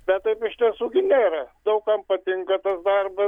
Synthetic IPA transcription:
bʲɛtt̪ɐɪpʲɪʃʲt̪ʲɛsuɡʲɪnʲeːɾɐd̪ɐʊkɐmpɐt̪ʲɪŋkɐt̪ɐsd̪ɐrbɐ

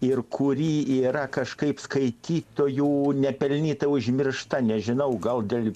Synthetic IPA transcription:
ɪrkʰʊɾʲiːiːɾɐkɐʃkɐɪpskɐɪt̪ʲiːt̪oːjuːnʲɛpʲɛlʲnʲiːt̪ɐʊʒʲmʲɪrʃt̪ɐnʲɛʒʲɪnɐʊɡɐlˠd̪ʲelʲ

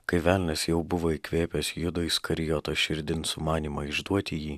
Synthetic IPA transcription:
kɐɪʋʲæːˑlʲnʲɛsjɛʊbʊʋoːɪkʋʲeːpʲɛsjʊd̪ɔɪskɐɾʲɪjɔt̪oːʃʲɪɾʲd̪ʲɪnsʊmɑːnʲiːmɐɪʒd̪uɔt̪ʲɪjiː

